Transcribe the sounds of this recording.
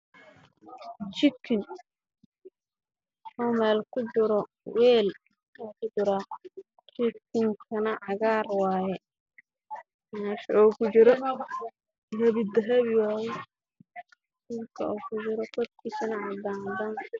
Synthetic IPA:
t͡ʃɪkʰːɪn | sɔmɛːlkʰʊt͡ʃɪɾɔ | wɛːl | wakʰʊd͡ʒʊɾa | t͡ʃɪkʰɪŋkʰɐnɐʕɑɣaːrwaːjɛ | naːʃɔːkʰʊt͡ʃɪɾɔ | ɦɐβɪd̪ɐɦɐβɪwaːjɛ | sulkʰɐ̰uːkʰʊt͡ʃɪɾɔkɔt̪̚kʰiːsɐnɐʕɑd̪aːd̪ɐn

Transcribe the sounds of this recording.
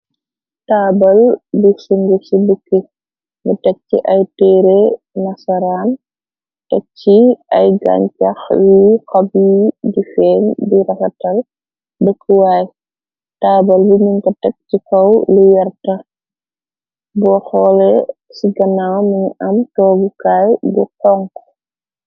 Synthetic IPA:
taːbɐlbisuŋɡəsibəkːə | ŋɡutɛk̚t͡ʃḭʔɐjtɛːɾe | nɐsɐɾaːn | tɛk̚t͡ʃːiʔɐjɡa̰ɲt͡ʃɐxjuxɐbjidifɛːndiɾɐfɐtɐl | bəkʰːəwaːj | taːbɐlbimiŋkɐtɛk̚tikɔwlujɐrtɐ | bɔxɔːlɛ | siɡɐnawmɐɲiʔɐmtɔːɡukaːjbuqɔŋk

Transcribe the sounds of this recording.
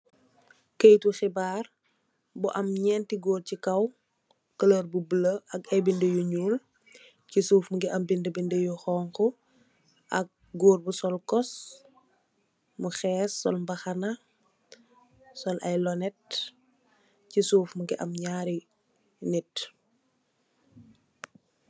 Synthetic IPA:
kejtuxibaːr | buʔɐmɲɛntiɡoːrcikɐw | kɐləɾbubələʔɐkɐjbindejuɲuːl | cisuːfmuɡiʔɐmbindəbindejuxɔːŋkɔ | ʔɐk̚ | ɡoːɾbusɔlkɔs | muxɛːsːɔlmbɐxɐna | sɔlʔɐjlɔnɛt̚ | cisuːfmuɡiʔɐmɲaːɾi | nit

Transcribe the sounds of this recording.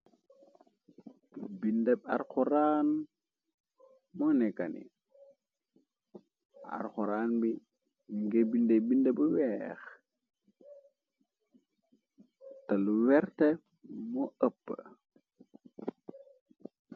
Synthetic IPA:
bindɛɓa̰ɾkuɾaːn | mɔnɛkanḭ | a̰ɾxuɾaːnbi | miŋɡebindebindɛbuwɛx | taluwɛɾtɛ | moəpːə̰

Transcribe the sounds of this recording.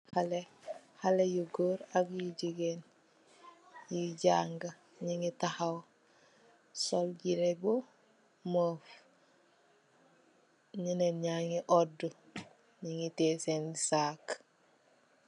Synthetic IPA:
hale | halejuɡoːɾaɡjuɟiɡen | jiɟaŋɡa | ɲiŋitahaw | solɟiɾebo | moːf | ɲineɲaŋiʔodu | ɲiŋitesensaːk

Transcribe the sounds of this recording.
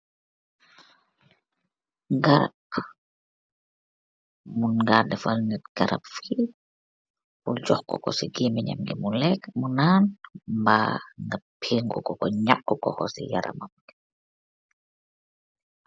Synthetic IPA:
ŋɡaɾak | munɡaːdɛfalnitɡ̥aɾʔa̰pfi | puld͡ʒɔhkɔkɔsiɡimɛɲa̰mɡimulɛkmunaːnmbaŋɡapʰiŋɡukɔkɔɲakːɔkɔkɔsḭja̰ɾa̰mamk

